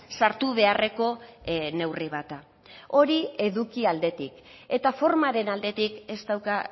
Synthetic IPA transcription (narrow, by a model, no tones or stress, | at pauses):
saɾt̪uβ̞e̞are̞ko̞ne̞wriβ̞at̪a | o̞ɾie̞ðukiald̪e̞t̪ik | e̞t̪afo̞ɾmaɾe̞nald̪e̞t̪ike̞st̪awka